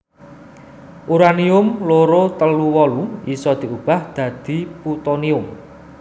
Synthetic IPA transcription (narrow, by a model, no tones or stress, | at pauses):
ʔuɾaniʊmloɾot̪əluwɔluisɔd̪̥i̤ʔub̥a̤hd̪̥ä̤d̪̥i̤put̪oniʊm